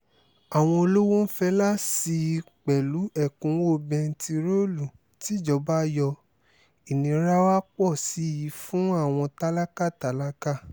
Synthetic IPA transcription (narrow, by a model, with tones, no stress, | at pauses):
a˨w̃ɔ̃˧o˧lo˦wo˦n̩˦fɛ˧˦la˦si˧k͡pɛ˨lu˨˦ɛ˦˨kũ˨˦o˦˨bɛ̃˧n̩˦ti˧ɾo˦lu˨ | ti˨˦˨d͡ʒɔ˧˦ba˦jɔ˧ | i˨nĩ˧˦ɾa˦wa˦k͡pɔ˦˨si˨˦˨ji˨˦fũ˦a˦˨w̃ɔ̃˧ta˦la˦ka˦˨ta˨˦la˦ka˦˨